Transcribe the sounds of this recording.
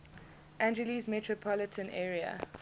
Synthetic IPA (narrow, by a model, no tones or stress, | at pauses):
ʔæ̃nd͡ʒɛlizmɛtʰɹɔpʰɔlɪtʰə̃nʔɛːɹiə̰